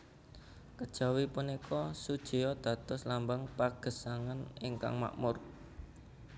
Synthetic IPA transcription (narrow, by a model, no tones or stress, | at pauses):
kəd̥ʒ̥a̤wipunikʰɔsud̥ʒ̥i̤jɔd̪̥ä̤t̪ɔslambaŋpaɡ̥ə̤saŋanɪŋka̰ŋma̰ʔmʊr